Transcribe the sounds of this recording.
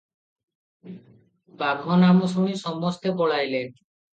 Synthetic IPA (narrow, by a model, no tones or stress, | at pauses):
baɡʱonamosuɽ̃iʃɔmːost̪epɔɭajle